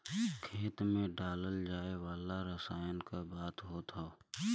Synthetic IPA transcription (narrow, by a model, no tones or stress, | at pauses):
kʰeːt̪mẽɖaːləld͡ʒaːewaːlaɾəsaːjənkabaːt̪ɦot̪ʰao